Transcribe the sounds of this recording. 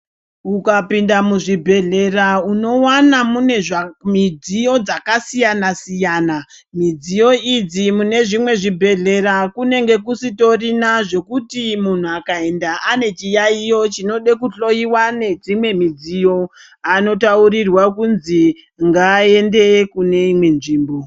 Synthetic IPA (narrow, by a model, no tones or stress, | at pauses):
ukapindamuʐibʱe̞ɮe̞rauno̞wanamune̞ʐamid͡zijo̞d͡zakasijanasijaːna | mid͡zijo̞id͡zimune̞ʐimwe̞ʐibʱe̞ɮe̞ɾakune̞ŋɡe̞k̬usito̞rinaʐe̞kutimun̤uakae̞ndaʔane̞t͡ʃijaijo̞t͡ʃino̞ɗekuɬo̞iwane̞d͡zimwe̞mid͡zijo̞ | ano̞taurirwakunzi | ŋɡaːe̞ndekune̞imwe̞nʐiːmbo